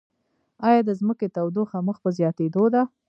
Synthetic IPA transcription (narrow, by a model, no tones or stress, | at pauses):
ɑjɑd̪əzməket̪awd̪oxaməxpəzjɑt̪ed̪od̪a